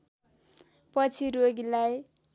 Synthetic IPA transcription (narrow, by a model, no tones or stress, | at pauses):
pʌt͡sʰiɾoɡilaj